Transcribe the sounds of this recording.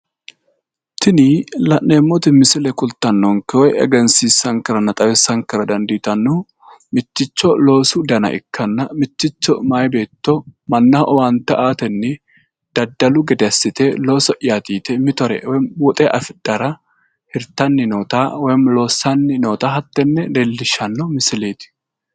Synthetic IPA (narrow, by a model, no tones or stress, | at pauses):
t̪ʰɪnilɐʔːeːmːɔt̪ɪmɪsɪlɛkʼʊlt̪ːɐnːɔŋkɛwɔjɛ̰ɡɛnsiːsːɐŋkɪɾɐnɐt̪ʼɐwɛsːɐŋkɪɾɐd̪ɐnd̪iːt̪ɐnːu | mɪt̪ːɪt͡ʃːɔlo̞ːsʊd̪ɐnɐ̰ʔɪ̰kːɐnːɐmɪt̪ːɪt͡ʃːɔmaːjbeːt̪ːɔmɐnːaʔɔwant̪ɐʔaːt̪ɛnːɪ | d̪̥ɐd̪ːɐlʊɡɛd̪ɛɐsːɪt̪ɛlo̞ːsɔʔjaːt̪iːt̪ɛmɪt̪ɔɾɛ̰wɔjwɔt̪ʼɛʔɐfɪd̪̥ɐɾɐ | hɪɾt̪ɐnːɪnoːt̪aːwɔjmlo̞ːsːɐnːɪnoːt̪aːɦɐt̪ːɛnːɛdeːlːɪʃːɐnːɔmɪsɪleːt̪ɪ̥